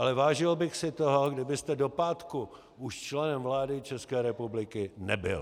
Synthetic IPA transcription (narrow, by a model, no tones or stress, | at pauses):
ʔalɛvaːʒɪlbɪxsɪt̪oɦoɡdɪbɪst̪ɛdo̞paːt̪ku | uʃt͡ʃlɛnɛmvlaːdɪt͡ʃɛskɛːɾɛpublɪkɪnɛ̰bɪ̰l